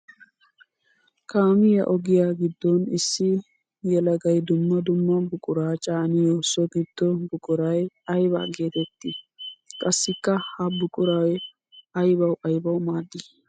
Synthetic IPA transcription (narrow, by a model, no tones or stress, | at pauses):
kaːmɪjɐ̰ʔɔɡɪjaːɡɪd̪ːɔnɪsːɪ | jɛlɐɡɐjd̪ʊmːɐd̪ʊmːɐbʊkʼʊɾaːt͡ʃʼaːnɪjoːsɔɡɪd̪̥ːɔbʊkʼʊɾɐj | ɐjba̰ːɡe̞ːt̪ɛt̪ːi | kʼɐsːɪkːɐhɐbʊkʼʊɾɐj | ɐjbɐwʔɐjbɐwmaːd̪ːɪ